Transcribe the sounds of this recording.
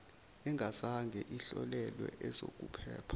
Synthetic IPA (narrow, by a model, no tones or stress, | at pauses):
ɛŋɡʱazaŋɡʱɛʔiɬɔlɛlwɛ̰ʔɛzok̬ʼupʰɛːpʰḁ